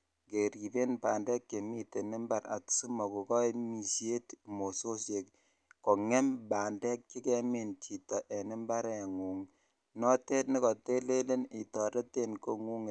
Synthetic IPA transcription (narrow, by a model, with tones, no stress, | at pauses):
ke˨ɾi˨be˦nba˨ndɛ˦kke˨mi˦te˨nɪ˦mba˦˨ɾa̰˨tsu˦mɔ˨ku˨kɔ˦mi˨se˦tmo˨so˦sje˨k | ko˨ŋɛ˦mbaː˨ndɛ˦k̚t͡ʃi˦kɛ˦me˨nti˨tɔ˨ʔe˨nɪ˦mba˦ɾe˨ŋu˨ŋ | nɔ˦te˦tni˦kɔ˨te˦le˦le˦ni˨tɔ˨ɾe˦te˦nko˦ŋu˦ŋ˨